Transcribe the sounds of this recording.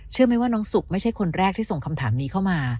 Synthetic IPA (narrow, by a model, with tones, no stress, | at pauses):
t͡ɕʰɯ˥˩ɐma˥˩jwaː˥˩nɔː˦˥ŋsu˨˩k̚ma˥˩jt͡ɕʰa˥˩jkʰo˧nɾɛː˥˩k̚t̪ʰiː˥˩so˨˩ŋkʰa˧mt̪ʰaː˩˦mniː˦˥kʰa˥˩wmaː˧